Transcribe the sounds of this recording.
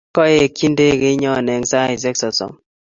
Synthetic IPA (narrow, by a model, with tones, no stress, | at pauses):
kɔ˦e˦˨ki˦nde˦˨kɪ˦ɲɔ˦˨nɛ˨ŋsa˦i˨zɛ˦ksɔ˨sɔ̰˨m